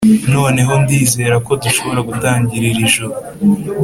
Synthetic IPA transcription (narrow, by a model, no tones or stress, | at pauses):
no̞ːne̞ɦo̞ndiːze̞ːɾako̞duʃo̞βo̞ɾaɡutaːɲɟiɾiɾiʒuɾu